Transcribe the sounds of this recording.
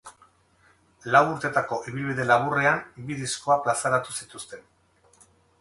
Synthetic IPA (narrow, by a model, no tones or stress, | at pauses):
lawuɾt̪e̞t̪ako̞ʔiβ̞ilβiðe̞laβ̞ure̞ambiðisko̞aplasaɾat̪usit̪ust̪e̞n